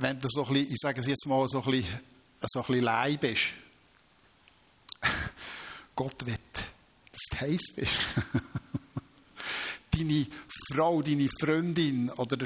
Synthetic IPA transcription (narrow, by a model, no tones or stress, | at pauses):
ʋɛnd̪usoχliʔɪsæɡəs̬jɛt͡smɑːlsoχli | əsoχlilæɪbɪʃ | ɡ̥ɔt̪ʋɛt | stʰhɛɪsb̥ɪʃ | d̥inifrowdinifɾʏnd̪ɪnɔd̪əɾə